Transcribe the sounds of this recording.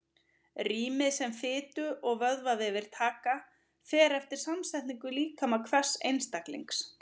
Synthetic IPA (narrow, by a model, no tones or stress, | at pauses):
riːmɪðsɛmfɪːt̪ʏʔɔɣvœðvavɪðvɪɾ̥t̪ʰaːka | fɛːɾɛft̪ɪɾ̥samsajt̪niŋkʏliːkamakʰvɛ̥sḛjnst̪aklḭŋks